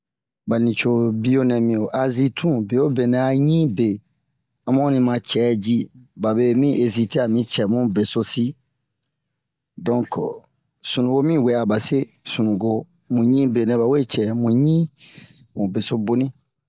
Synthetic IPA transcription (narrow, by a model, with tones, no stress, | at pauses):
ba˨nĩ˨t͡ʃo˨bi˦o˦nɛ̃˨mĩ˨o˨ʔa˨zi˦tʰũ˦be˨o˦be˨nɛ̃˨a˨ɲĩ˦be˨ | a˦mɔ̃˦nĩ˧mã˧t͡ʃɛ˨˦d͡ʒi˦ba˨be˨mĩ˦ʔe˨zi˧te˦a˨mĩ˦t͡ʃɛ˨mũ˦be˨so˦si˦ | dɔ̃˦ŋk | sũ˨nũ˨ɡo˦mĩ˦˨we˨˦a˨ba˨se˦ | sũ˨nũ˨ɡo˧ | mũ˨ɲĩ˦be˨nɛ̃˨ba˨we˦t͡ʃɛ˨mũ˨ɲĩ˦ | mũ˨be˨so˦bo˦nĩ˦